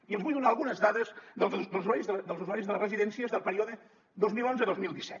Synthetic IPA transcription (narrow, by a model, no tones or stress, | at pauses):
iəlˠzβujðunaːlˠɣunəzðaðəzðəlˠzd̪əlˠzwaɾizðəd̪əlˠzuzwaɾizðələrəziðɛnsiəzðəlˠpəɾioðə | d̪ozmilonzəðozmilˠd̪isɛt̪